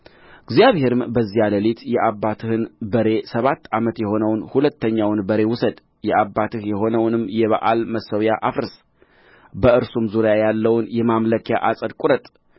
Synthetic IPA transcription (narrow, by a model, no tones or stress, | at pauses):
ɡzjaβhe̞ɾɨmbəzːialəlit̪jɛʔabːat̪ʰɨhɨnbəɾe̞səβat̪ːamət̪jɛho̞nəwnhulət̪ːəɲːawnbəɾe̞wʊsəd̪ | jɛʔabːat̪ʰɨhjɛho̞nəwnɨmjɛβa̰ʔalməsːəwjaʔafɾɨs | bəɨɾsumzuɾjajalːəwnjɛmamləkʰja̰ʔasʼəd̪kʼuɾət̪ʼ